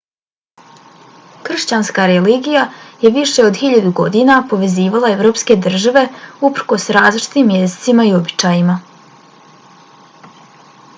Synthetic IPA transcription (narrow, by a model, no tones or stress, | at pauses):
kr̩ʃt͡ɕanskaɾeliːɡijaje̞ʋiʃe̞o̞d̪xiʎad̪uɡo̞̰d̪inapo̞ʋe̞ziːʋalˠae̞ʋɾo̞ːpske̞d̪r̩ʒaʋe̞upr̩ko̞sɾaːzlˠit͡ʃi̥t̪iːmːje̞zisimaio̞bit͡ʃaːjima